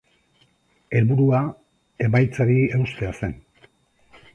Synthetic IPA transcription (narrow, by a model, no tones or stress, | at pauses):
e̞lβuɾua | e̞majt͡saɾie̞wst̪e̞ase̞n